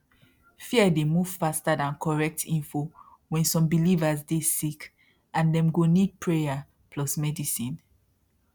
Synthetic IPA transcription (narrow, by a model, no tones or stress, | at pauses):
fiədemuv̥fastadãnkʰɔɹɛk̚tʰĩnfo | wɛ̃nsɔ̃mbilivazdesik | ãndɛ̃mɡonid̚pʰɹeja | pʰlɔsmɛdisĩn